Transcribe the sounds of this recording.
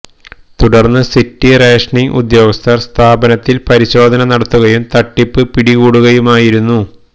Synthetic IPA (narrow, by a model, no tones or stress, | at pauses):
t̪uɽɐrnːɨsitːireːʂɳiʔṵd̪jo̞ːɡɐst̪ʰɐrst̪ʰaːbɐnɐt̪ːilpɐɾiɕo̞ːd̪ʱɐnɐnɐɽɐt̪ːuɣɐjumt̪ɐʈːipːɨpiɽiɣuːɽuɣɐjumaːjiɾunːu